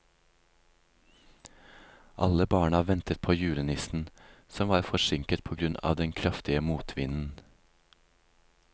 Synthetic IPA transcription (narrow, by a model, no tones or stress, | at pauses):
ʔɑ̰ləbɑːɳɑʋɛnt̪ət̪̚pʰoːjʉːlənɪsn̩sɔmʋɑːɾfɔʃɪŋkət̪̚pʰoːɡɾʉnɑ̰ːʋd̪ɛnkʰɾɑft̪ɪəmuːt̪ʰʋɪnn̩